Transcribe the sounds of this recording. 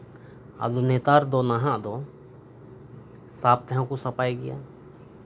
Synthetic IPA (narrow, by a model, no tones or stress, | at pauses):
a̰lunɛt̪aɾd̪ɔnaɦãʔd̪ɔ | sap̚t̪ɛɦãkusapajɡɛja̰